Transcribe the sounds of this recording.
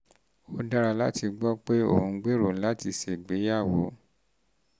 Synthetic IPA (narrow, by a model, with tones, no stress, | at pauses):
o˦˧da˧ɾa˧la˦ti˧ɡ͡bɔ˦k͡pe˦o̰˦˨hũ˧ɡ͡be˦ɾo˨˦la˦ti˧ʃe˨ɡ͡be˨˦ja˦˨wo˨˦